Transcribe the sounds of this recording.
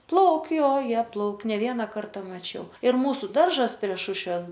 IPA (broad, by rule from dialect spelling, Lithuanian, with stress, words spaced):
ˈplˠɐʊkʲ joː ˈjiɛ ˈplˠɐʊkʲ nʲɛ ˈʋʲiɛnɐ ˈkɐrtɐ mɐˈt͡ʃʲɛʊ ɪr ˈmuːsʊ ˈdɐrʒɐs pʲrʲiɛ ˈʃʊʃʲʋʲɛs